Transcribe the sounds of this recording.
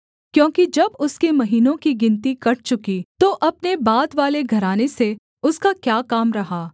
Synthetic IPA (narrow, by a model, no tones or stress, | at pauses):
kjõːkid͡ʒɐbʊskemɐɦiːnõkiɡɪ̃nt̪ikɐʈ̚t͡ʃʊkit̪oʔɐpnebaːd̪ʋaːleɡʱɐɾaːnese | ʊskakjaːkaːmɾɐɦaː